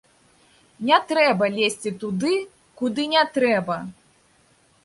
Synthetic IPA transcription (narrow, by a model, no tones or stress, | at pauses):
nʲɛt̪ɾɛbɐlʲesʲt͡sʲit̪ud̪ɨ | kud̪ɨnʲɛt̪ɾɛbɐ